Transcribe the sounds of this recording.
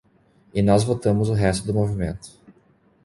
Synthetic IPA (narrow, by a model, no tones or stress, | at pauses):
ɪnɔzvot̪ɐ̃mʊzʊɦɛst̪ʊd̪ʊmovimẽnt̪ʊ̥